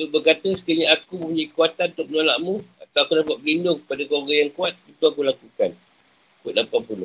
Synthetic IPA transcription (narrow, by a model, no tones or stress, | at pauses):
sobəkat̪oŋsə̥kiaɲaakuməmpuɲaikuat̪anunt̪ʊk̚məɲola̰ʔmũat̪aakunapat̚ɡindʊŋkəpadakoɡajaŋkuat̪̚kut̪uakulakukan | kat̪̚lampapuno